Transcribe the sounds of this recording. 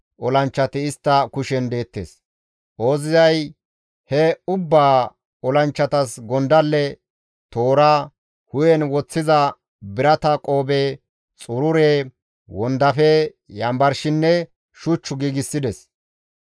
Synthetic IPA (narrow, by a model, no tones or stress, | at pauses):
ʔɔlɐnt͡ʃːɐt̪ɪɪst̪ːɐkʊʃɛnd̪e̞ːt̪ːḛːs | ʔo̞ːzɪzɐj | hɛʊbːaː | ɔlɐnt͡ʃːɐt̪ɐsɡɔnd̪ɐlːɛ | t̪o̞ːɾa | hʊjɛnwɔt͡sːɪzɐ | bɪɾɐt̪ɐkʼo̞ːbe | t͡sʼʊɾʊɾeː | wɔnd̪ɐfɛ | jɐmbɐɾʃɪnːɛ | ʃʊt͡ʃːʊɡiːɡɪsːɪd̪ɛs